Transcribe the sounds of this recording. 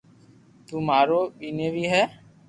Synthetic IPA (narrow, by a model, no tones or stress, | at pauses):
t̪uːmaːɾoːɓiːneːbʱiːɦɛː